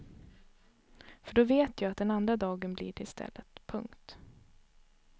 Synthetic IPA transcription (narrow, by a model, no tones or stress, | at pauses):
fœɖɔveːt̪ʰjaːat̪̚d̪ɛnand̪ɾad̪ɑːɡənblḭʈʰɪlst̪ʰɛ̰lːət̪pʰɵŋkt̪